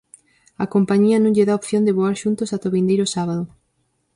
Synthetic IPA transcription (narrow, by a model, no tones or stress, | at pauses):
ɐkompaɲiɐnõŋʎeðaopθjond̪eβoaɾʃunt̪osat̪oβind̪ejɾosaβaðo